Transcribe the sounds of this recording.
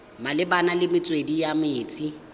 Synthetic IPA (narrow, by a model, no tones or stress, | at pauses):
malɪbanalɪmɪt͡sʼwedijamɪːt͡sʼi